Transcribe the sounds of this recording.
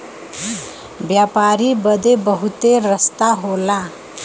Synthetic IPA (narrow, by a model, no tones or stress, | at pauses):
bjapaɾibəd̪ebəɦut̪eɾəst̪aɦola